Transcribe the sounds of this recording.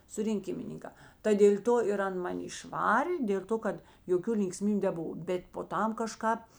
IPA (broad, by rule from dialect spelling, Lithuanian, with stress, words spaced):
sʊrʲɪŋʲˈkʲɪmʲɪnʲɪŋkɑː tɐ dʲeːlʲ ˈtoː ɪr ˈɐn mɐˈnʲɪ ɪʃˈʋɑːrʲeː dʲeːlˠ ˈtoː kɐt joːˈkʲuː lʲɪŋkˈsʲmʲiːbʲʊ nʲɛˈbʊʋɐ ˈbʲɛt poː ˈtɐm kɐˈʃkɑːp